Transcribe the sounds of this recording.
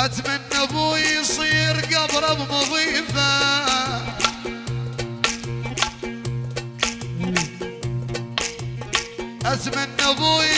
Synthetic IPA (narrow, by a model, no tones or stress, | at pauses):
ʔat̪manːabuːijsˤiːɾɡabɾˤɑbmʊðˤiːfa | ʔat̪manːabu